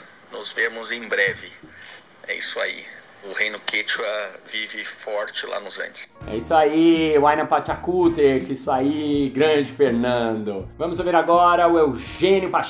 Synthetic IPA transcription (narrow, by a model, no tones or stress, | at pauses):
nʊzveɾmʊzẽj̃bɾɛvɪ | ɛ̰ḭsʊaḭ | ʊhẽj̃nʊkʰet͡ʃɐvivɪfɔɾt͡ʃɪla̰nʊzɐ̰̃nt͡ʃɪ̥sɛ̰isʊaiwajnɐ̃pat͡ʃakut̪eɾkɪisʊaiɡɾɐ̃d͡ʒɪfeɾnɐ̃d̪ʊvɐ̃mʊzoveɾaɡɔɾɐʊewʒẽnʲjʊpa